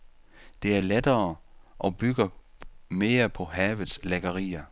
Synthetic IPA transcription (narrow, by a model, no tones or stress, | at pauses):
d̥e̝æɐled̥ɐːʔɒ̽b̥yɡ̥ɐ | me̝ːɐpʰɒ̽hɛːʋð̩ˠsleɡ̥ɐʁḭːɐ